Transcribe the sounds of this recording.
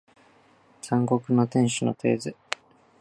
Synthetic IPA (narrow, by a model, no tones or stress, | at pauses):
sãŋɡo̞kɯ̟no̞t̪ẽ̞ɰ̃ɕɨno̞̰t̪ʰe̞̰ːzɨ